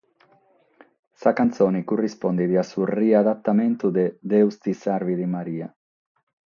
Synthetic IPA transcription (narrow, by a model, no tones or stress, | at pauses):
sakant̪sonikurispond̪iðiasuriaðat̪ːamẽnt̪ud̪ed̪ewst̪isaɾβiðimaɾia